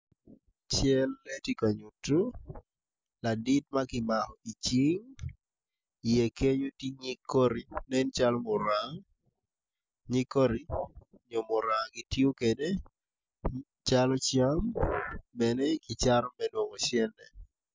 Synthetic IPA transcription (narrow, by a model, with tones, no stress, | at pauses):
t͡ʃjɛ˦lːe˦ti˦ka˨ɲu˨tːu˦ | la˨dɪ˦tma˦kɪ˨ma˨hɔi˨t͡ʃi˦ŋ | ije˨ke˦ɲo˦ti˦ɲi˦kːo˦ɾi˨nɛ˦nt͡ʃa˦lɔ˦mo˨ɾaŋ | ɲi˦ko˦ɾi˨ | ɲo˨mo˨ɾa˨ŋɡi˦tio˦kede | t͡ʃalɔ˦t͡ʃjambɛnɛkɪ˨t͡ʃaɾɔ˦mɛ˦nwo˨ŋo˨t͡ʃjɛ˦nɛ˨